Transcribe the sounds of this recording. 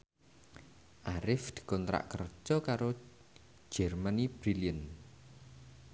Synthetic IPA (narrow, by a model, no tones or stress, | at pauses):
ʔaɾɪfd̪̥i̥̤kɔnt̪ɾa̰ʔkər̥d͡ʒ̥ɔkaɾo̥ | d͡ʒ̥ɛrmanib̥ɾiliən